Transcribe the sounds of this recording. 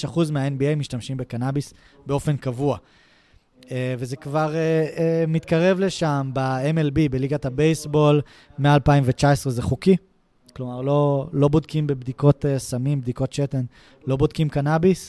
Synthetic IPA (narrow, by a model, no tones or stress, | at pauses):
ʃaχuzmeaenbiejmiʃtamʃimbe̞kanabis | beo̞fe̞nkavua | eve̞ze̞kvaʁeemit̪kaʁe̞vle̞ʃambaemelbibeliɡatabejsbo̞l | me̞aːlpaimvet͡ʃae̞sʁezeχuki | klo̞maʁlo̞lo̞bodkimbe̞bdiko̞tesamimbd̪iko̞tʃete̞n | lo̞bod̚kimkanabis